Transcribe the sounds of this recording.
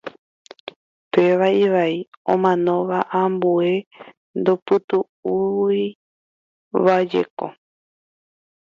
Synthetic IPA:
peʋaiʋaiõ̰mãnõ̞ʋaʔãmbue̞ | nd̪opɨtp̪u | ui | ʋad͡ʒe̞̰ko̰

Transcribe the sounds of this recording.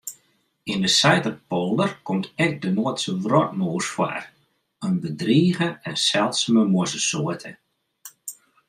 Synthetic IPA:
indəsɛjtəpolˠdərkɔmtʰɛk̚dənoətsəʋrɔt̚moːsfwa̰r | ənbədriːɣəɛnsɛlˠtsməmoəsəsoətʰə

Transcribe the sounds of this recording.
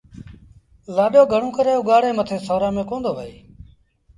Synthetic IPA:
laːɗoːɡʱəɳ̤ũːkəɾeːʊɠaːɽẽːmət̪ʰeːsoːɾãːmẽːkoːnd̪oːʋəḛː

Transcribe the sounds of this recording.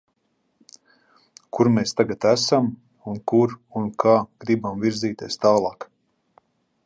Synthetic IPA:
kuɾmeːst̪aɡat̪æsam | unkuɾunkʰaːɡ̥ɾibamviɾziːt̪ʲeːst̪aːlˠɑːk

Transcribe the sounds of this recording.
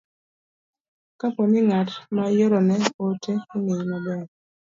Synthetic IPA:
kapɔnɪŋatmajoɾɔnɛotʰeinejmabɛ

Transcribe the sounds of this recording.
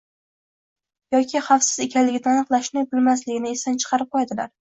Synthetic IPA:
jɒkʲʰɪχɑfsɪ̥zekʲʰalɪɡʲɪnɪanɨqlˠaʃnɪbɪlmaslɪɡʲɪnɪesant͡ʃʰɨ̥qʰɑɾɪp̚qʰojad̪ɪla̰ɾ

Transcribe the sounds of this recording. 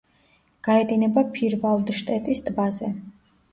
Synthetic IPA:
ɡ̥aɛd̪inɛbapʰiɾvalˠd̪ʃt̪ʼɛt̪ʼist̪ʼbazɛ

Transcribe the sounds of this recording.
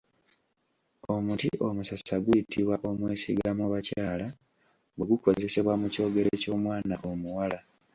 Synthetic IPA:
o̞mutiʔo̞musasaɡujitʰiβwaʔo̞mweːsiɡamoβacaːla | weɡuko̞ze̞se̞βwamuco̞ːɡe̞ɾe̞co̞ːmwaːnaʔo̞muwala

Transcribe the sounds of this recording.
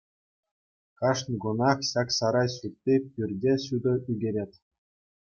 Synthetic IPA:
kɑʂnʲɡunɑχɕɑksɑɾɑjɕut̪ʲːipʲyrʲdʲeɕud̪ɤ̆yɡʲeɾʲet̪ʲ

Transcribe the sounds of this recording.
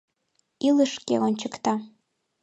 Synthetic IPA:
iləʃkḛonʲt͡ɕəkt̪ɑ

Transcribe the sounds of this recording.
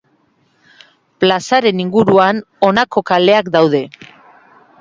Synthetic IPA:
plasaɾe̞niŋɡuɾuan | o̞nako̞kale̞akd̪awðe̞

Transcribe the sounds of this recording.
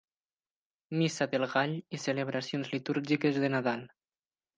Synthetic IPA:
misaðelˠɣaʎiseleβ̞ɾasionzlit̪uɾʒikezðenaðalˠ

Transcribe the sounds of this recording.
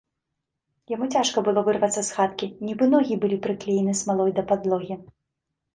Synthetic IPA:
jamut͡sʲaʂkɐbɨlˠɔvɨrvɐt̪sːɐsxat̪kʲinʲibɨnɔɣʲibɨlʲipɾɨklʲejnɨsmalˠɔjd̪ɐpad̪lˠɔɣʲi

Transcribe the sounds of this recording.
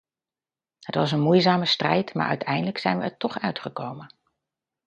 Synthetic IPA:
hətʋɑsənmujzaːməstrɛjtma̰ːɹʔœ̰ɥtʰɛjndələksɛjnʋəɛɹtɔχœɥtχəkowmən

